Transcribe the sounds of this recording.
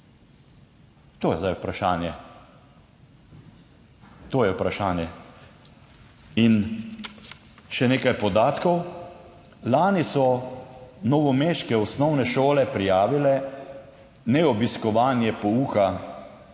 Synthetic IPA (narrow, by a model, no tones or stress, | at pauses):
t̪oːjɛ̰zd̪ajupɾaʃaːnjɛ | t̪oːjɛupɾaʃaːnjɛ | in | ʃɛneːkajpɔd̪aːt̪kɔw | laːnisɔ | nɔʋɔmeːʃkɛɔsnɔwnɛʃoːlɛpɾijaːʋilɛ | nɛɔbiskɔʋaːnjɛpɔuːka